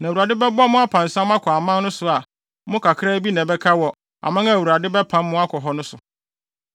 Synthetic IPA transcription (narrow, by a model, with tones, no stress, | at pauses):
nã˨wu˨a˨dɪ˦bɛ˦ba˦mʊ̃˦a˦pʰã˨n̩˨sã˦m̃˦a˦kʰɔ˨a˨mã˦nʊ̃˦sʊ˨a˨ | mʊ̃˦kʰa˨kʰɪ˦ɾa˦bi˦nã˨bɛ˦kʰa˦wɔ˨ | a̰˨mã˦ŋã˦˨wu˨ɾa˨dɪ˦bɛ˦pʰã˦m˦mʊ̃˦a˦kʰɔ˨ɦɔ˨nʊ̃˦sʊ˨